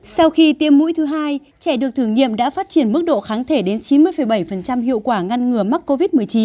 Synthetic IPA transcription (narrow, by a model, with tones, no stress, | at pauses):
sa˧wxi˧t̪i˧əmːṵ˧˥jt̪ʰɨ˨˦ɦaː˧j | t͡ɕɛ˧˩ɗɨ˨˩ək̚t̪ʰɨ˧˩ŋɲḭ˧˨əmɗa̰ː˧˥faː˦˥t̚t͡ɕi˧˩ənmɨ˦˥k̚ɗo̰˧˨xaː˨˦nt̪ʰe˧˩ɗe˨˦nt͡ɕi˨˦nmɨ˧əjfə˨˩jɓə˧˩jfə˨˩nt͡ɕa˧mhḭ˧˨əwkwaː˧˩ŋa˧nŋɨ˨˩əma˦˥k̚ko˧vi˦˥t̚mɨ˨˩əjt͡ɕi˨˦n